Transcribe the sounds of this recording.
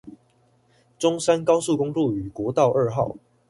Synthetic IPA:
ʈ͡ʂʊ˦ŋsa˦nkɑ˥ʊsu˥˨kʊ˦ŋlu˥˨˩y˨˩kwɔ˨˧˦t̪ɑ˥˨ʊʔə˥˧xɑ̰˥˨ʊ

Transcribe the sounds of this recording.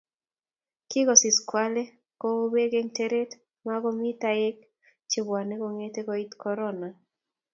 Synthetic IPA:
kɪ˦ɡɔ˨sɪ˨skwa˦le˦ | ko˦o˦be˦ɡe˦ŋte˦ɾe˦t | ma˦ɡɔ˦mi˦t̪ae˦k̚ | t͡ʃɪ˨ba˨nɛ˦ɡɔ˦ŋe˦t̪e˦ɡɔ˨i˦t̪kɔɾɔ˦na˨

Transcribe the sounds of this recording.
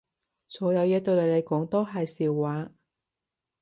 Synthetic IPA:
sɔː˨˥jɐ˨˧wjɐ˥t̪o˧wle˨˧le˨˧jkɔː˨˥ŋt̪o˥wɦɐ˨jsiː˨wːaː˨˥

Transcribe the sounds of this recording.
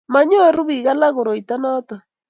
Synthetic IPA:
ma˦ɲo˦˨ɾu˦βi˨ɣa˦la˦ɣo˨ɾo˨i˨ta˦nɔ˦ta˨

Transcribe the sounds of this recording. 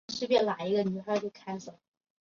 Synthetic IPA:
ʂɻ̩˥pjɛ˥˩la˨˩ɪi˧˥ɡə˧ny˧˥xa˥˧˥t͡ɕjo˥˩ʊkʰa˥ɪso˨˩˦

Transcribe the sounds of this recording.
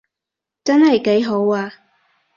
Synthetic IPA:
t͡sɐ˥nɦɐ˨jke˨˥jɦo˨˥waː˧

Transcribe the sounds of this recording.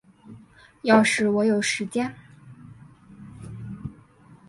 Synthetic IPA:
jɑ˥˧ʊʂɻ̩˧˩wɔ˧˥jo˨˩ʊʂɻ̩˧˥t͡ɕjɛ˥n

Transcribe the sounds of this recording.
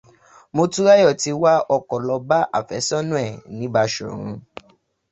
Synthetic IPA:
mo˧tũ˦ɾa˦jɔ˦˨ti˧wa˦ɔ˧kɔ˨lɔ˧ba˦ʔa̰˦˨fɛ˨˦sɔ˦nũ˦ɛ˦˨nĩ˨˦ba˧ʃo̰˨ɾ̃ũ˧

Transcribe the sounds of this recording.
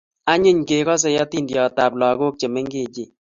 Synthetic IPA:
a˦ɲɪ˦ɲke˨kɔ˦s̬ɛ˨jɔ˦ti˦˨ndjɔ˨ta˨p̚lɔ˨ɡo˦k̚t͡ʃe˨me˦ŋɡe˦˨d͡ʒe˦˨

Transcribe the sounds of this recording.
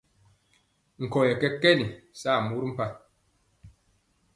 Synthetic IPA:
ŋ̩˨kɔ˨jɛ˨kɛ˦kɛ˦ni˨saː˦˨mu˦ɾm̩˦pa˦

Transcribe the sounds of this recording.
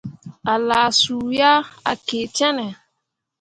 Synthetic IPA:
a˨la˨su˨ja˦a̰˨ke˨t͡ʃɛ˦nɛ˨

